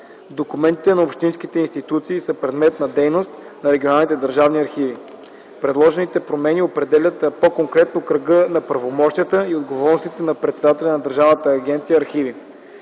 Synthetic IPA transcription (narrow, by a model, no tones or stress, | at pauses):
d̪okumɛnt̪i̥t̪ɛnɐopʃt̪insk̟it̪ɛinst̪it̪ut̪siːsəpɾɛd̪mɛt̪nɐd̪ɛjnost̪ | nɐɾɛɡʲionalˠnit̪ɛd̪əɾʒavniɐɾxivi | pɾɛd̪lˠɔʒɛnit̪ɛpɾomɛniopɾɛd̪ɛlʲət̪pokoŋkɾɛt̪nokɾəɡənɐpɾɐvomɔʃt̪ijət̪əiod̪ɡovɔɾnost̪it̪ɛnɐpɾɛt̪sɛd̪at̪ɛlʲɐnɐd̪əɾʒavnət̪əːɡ̟ʲɛnt̪sijəːɾxivi